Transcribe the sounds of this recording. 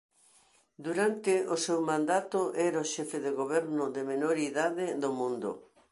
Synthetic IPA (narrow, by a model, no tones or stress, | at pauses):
d̪uɾant̪ɪʔosewmãnd̪at̪ʊʔɛɾaoʃɛfeðeɣoβɛɾnʊðemenoɾiðaðɪðomũnd̪ʊ̰